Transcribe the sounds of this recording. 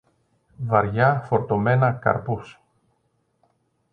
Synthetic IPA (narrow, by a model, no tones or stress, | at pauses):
vɐɾʝɐfo̞ɾt̪o̞me̞nɐkɐ̰ɾpus